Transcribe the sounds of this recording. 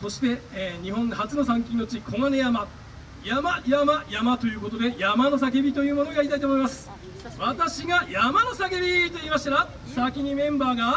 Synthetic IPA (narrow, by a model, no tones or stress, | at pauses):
so̞ɕi̥t̪e̞ɲ̟iɦõ̞ŋhat͡sɨno̞sãŋk̬ʲĩnt̪o̞t͡ɕikʰo̞ŋane̞jama | jamajamajamat̪o̞jɯ̟ːko̞t̪o̞d̪e̞jamano̞s̬ak̬ebʲit̪o̞jɯ̟ːmo̞no̞ɡaɾit̪ait̪oːmo̞imasɨ̥ | βat̪aɕiɡajamano̞sake̞bʲit̪o̞iːmasɕi̥t̪aɾa | sakʲiɲ̟imẽ̞mbaːɡa